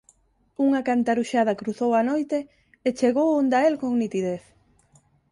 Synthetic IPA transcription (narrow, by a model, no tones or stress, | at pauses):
uŋakant̪aɾuʃað̞ɐkɾuθowanojt̪eː | t͡ʃeɣowond̪aelkoŋnit̪iðeθ